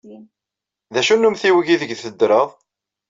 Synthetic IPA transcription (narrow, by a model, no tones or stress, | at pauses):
ðæʃunːumθiwəʝiðəɡðθəd̪ːɾəðˤ